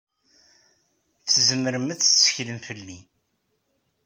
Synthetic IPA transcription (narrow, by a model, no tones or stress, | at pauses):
θːzəmːəɾəmæθsə̥çləmfəlːi